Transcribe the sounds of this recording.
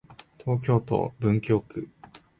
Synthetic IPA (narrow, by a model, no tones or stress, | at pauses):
t̪ʰo̞ːkʲo̞ːt̪o̰bɯ̟̃ŋkʲo̞ːkɯ̟